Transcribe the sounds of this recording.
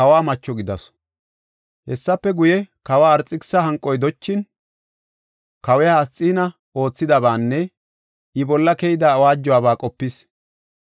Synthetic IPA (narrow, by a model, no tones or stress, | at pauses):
kɐwaːmɐt͡ʃːɔɡɪd̪ɐs | hɛsːɐpːɛɡʊjɛkɐwaːɐɾt͡sʼːɪksːɐɦɐŋkʼːɔjd̪ɔt͡ʃːɪn | kɐwɛjaːst͡sʼːiːnɐ | o̞ːt͡sːɪd̪ɐbaːnːɛ | ʔɪbɔlːɐkɛjɪd̪ɐːwaːd͡ʒːʊwaːbaːkʼɔpːɪs